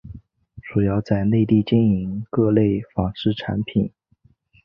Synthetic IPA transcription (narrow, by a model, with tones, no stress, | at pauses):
ʈ͡ʂu˨˩jɑ˥˧ʊt͡sa˥˧ɪne˥˧ɪt̪̬i˥˩t͡ɕjɛ˥˩ni˧˥ŋkɤ˥˧le˥˩ɪfɑ˨˩ŋʂɻ̩˥˩ʈ͡ʂʰa̰˧˥npʰi˨˩˦n